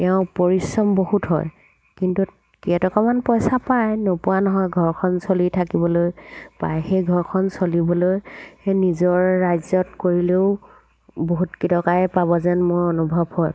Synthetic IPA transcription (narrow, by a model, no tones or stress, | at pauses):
ɛʊ̃poɹisɹɔmbohutɦɔ̰j | kintu | kiɛtɔkɔmanpɔjsapajnopuwanɔɦɔjɡʱɔɹkʰɔnsolitʰakibɔlojpa̰jxejɡʱɔɹkʰɔnsolibɔlojxenizɔɹːajzɔtkoɹileʊ | boɦutkitɔkajpabɔzɛnmʊɹonubʱɔbhɔj